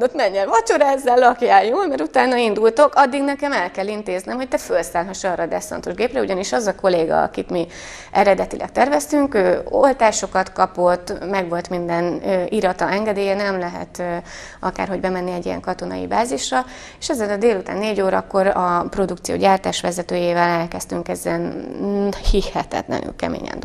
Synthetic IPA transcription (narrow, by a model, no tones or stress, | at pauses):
d̪ot̪mɛɲːɛlvɒt͡ʃo̞ɾaːzːalːɒkjaːjoːlmɛɾut̪aːnɒind̪ult̪o̞kɒd̪ːiɡnɛkɛmɛlkɛlːint̪eːznemɦo̞c̚t̪ɛfø̞lsaːlɦɒʃɒːrɒd̪ɛsfɒ̰nt̪o̞ʒɡeːprɛuɟɒniʃɒzɒko̞leːɡɒ̰ɒ̰kit̪mi | ʔɛɾɛd̪ɛt̪ilʔɛ̰k̚t̪ɛrvɛst̪yŋkøːo̰lt̪aːʃo̞kɒt̪kɒpo̞t̪ːmɛɡʋo̞lt̪mind̪ɛnøːiɾɒt̪ɒɛŋɡɛd̪eːjɛnɛmlɛɦɛ̰t̪ø | ɒka̰ːrɦo̞ɟbɛmɛnːiɛɟijɛ̰ŋkɒt̪o̞nɒ̰ḭbaːziʃrɒ | eʃɛzːɛnɒd̪eːlut̪a̰ːnːeːɟoːɾɒkːo̞ɾɒpro̞d̪ukt̪sijo̰ːɟaːrt̪aːʃʋɛzɛt̪øːjeːvɛlɛlkɛst̪yŋkɛzːɛn | hihɛt̪ɛ̰t̪lɛ̰ny̰lkɛ̰mḛːɲɛ̰nd̪